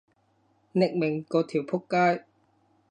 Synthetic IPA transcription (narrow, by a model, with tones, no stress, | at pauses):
nɪ˨˩k̚mɪ˨˩ŋkoː˧t̪ʰiː˨˩wpʰʊ˥kːaː˥j